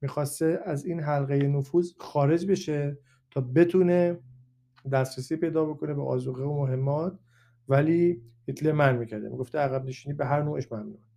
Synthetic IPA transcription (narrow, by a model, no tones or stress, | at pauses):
miːxɒːst̪eʔæziːnɦælɣejenofuːzxɒːɾe̞d͡ʒbe̞ʃe | t̪ʰɒːbe̞t̪ʰune | d̪æsɾesiːpe̞jd̪ɒːbo̞kʰo̞nebeʔɒːzuɣeomoɦe̞mːɒːt̪̚ | væliːhit̪ʰleɾmænmiːcʰæɾd̪emḭɡo̞ft̪eæɣæbneʃiːniːbeɦæɾnoːʔeʃmæmnune